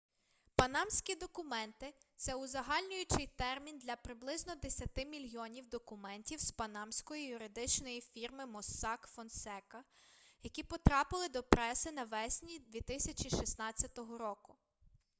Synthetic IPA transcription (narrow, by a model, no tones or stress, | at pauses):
pɐnɑmsʲkʲid̪ɔkʊmɛnt̪ɪt̪sɛʊzɐɦɑlʲnʲʊjʊt͡ʃɪjt̪ɛrmʲind̪lʲɐpɾɪblˠɪznɔd̪esʲɐt̪ɪmʲilʲjɔnʲiwd̪ɔkʊmɛnʲtʲiwspɐnɑmsʲkɔjijʊɾɪd̪ɪt͡ʃnɔjifʲirmɪmɔsːɑkfɔnsɛkɐjɐkʲipɔt̪ɾɑpɪlˠɪd̪ɔpɾɛsɪnɐʋɛsʲnʲid̪ʋʲit̪ɪsʲɐt͡ʃʲiʃisnɑt͡sʲːɐt̪ɔɦɔɾɔkʊ